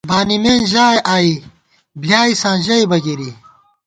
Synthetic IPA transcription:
baːnimeːnʑaːeʔaːi | bljaːisãːʑɐibɐɡiɾi

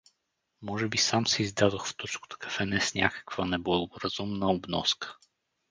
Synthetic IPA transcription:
mɔʒɛbisamsɛizd̪ad̪oxft̪ɔt͡ʃko̥t̪o̥kɐ̥fɛnɛsnʲa̰kə̥kv̥ənɛbləlˠɡʊɾɐz̥umnəobnɔ̰skə̥

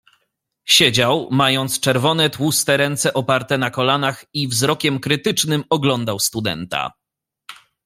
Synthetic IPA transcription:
ɕed͡ʑawmajɔnt̪st͡ʂɛɾvɔnɛt̪wust̪ɛɾɛnt̪sɛʔɔpaɾt̪ɛnakɔlanaxivzɾɔkʲɛmkɾɘt̪ɘt͡ʂnɘmɔɡlɔnd̪awst̪ud̪ɛ̰nt̪a̰

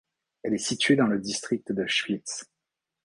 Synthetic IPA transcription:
ɛlɛsit̪ɥed̪ɑ̃ləd̪ist̪χik̚t̪d̪əʃfit̪s

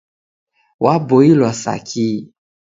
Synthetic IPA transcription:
waboilɔsa̰kʰi

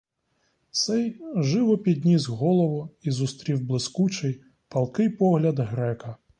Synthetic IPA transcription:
sɛjʒɪʋɔpʲid̪ʲnʲizɦɔlˠɔʋʊizʊst̪ɾʲiwblˠɪskut͡ʃɪj | pɐlˠkɪjpɔɦlʲɐd̪ɦɾɛkɐ

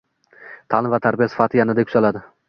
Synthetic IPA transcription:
t̪ʰalˠɪnvat̪ʰaɾbijasɪ̥fat̪ʰɪjanɪd̪akʰʊ̥zalad̪ɪ

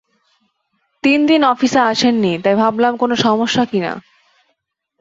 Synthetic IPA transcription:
t̪ind̪inɔfisaaʃʰenːit̪ajbʱablamkonoʃɔmoʃːakina̰

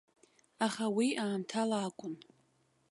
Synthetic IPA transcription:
aχawiʔaːmtʰalaːkʷʼʊn

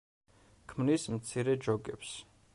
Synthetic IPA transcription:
kʰmnismt̪sʰiɾɛd͡ʒɔɡɛps

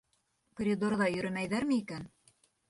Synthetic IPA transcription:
prʲid̪orðɑjɵ̆ɾɘmæjðæɾmɘikæn

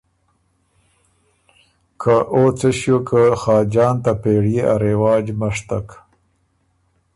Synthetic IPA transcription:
kʰaʔot͡səɕjokʰəxɑːd͡ʒɑːnt̪apeɽjea̰ɾewɑːd͡ʒmaʂt̪ak

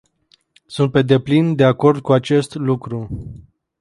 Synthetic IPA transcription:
sunt̪̚pe̞d̪e̞plind̪e̞ako̞rd̪̚kuat͡ʃe̞st̪lukɾu

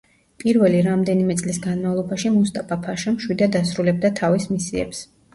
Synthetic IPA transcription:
pʼiɾvɛliɾamd̪ɛnimɛt̪sʼlisɡanmavlˠɔbaʃimust̪ʼapʰapʰaʃamʃwid̪ad̪asɾulɛb̚d̪at̪ʰavismisiɛ̰ps

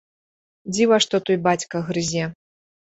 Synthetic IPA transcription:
d͡zʲivaʂt̪ɔt̪ujbat͡sʲkɐɣɾɨzʲɛ

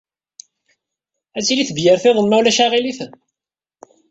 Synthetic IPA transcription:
æt͡sːiliθvjəɾθeðˤənmæwlæʃaʁiliθn

